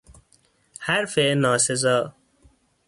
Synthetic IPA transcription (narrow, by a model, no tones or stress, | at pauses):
hæɾfenɒːsezɒː